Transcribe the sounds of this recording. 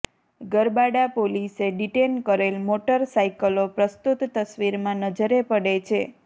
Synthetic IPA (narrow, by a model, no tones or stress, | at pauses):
ɡəɾbaɽapoliseɖiʈenkəɾelmoʈəɾsaikəlopɾəst̪ut̪ːəsʋiɾmãnəd͡ʒəɾepəɽet͡ʃʰe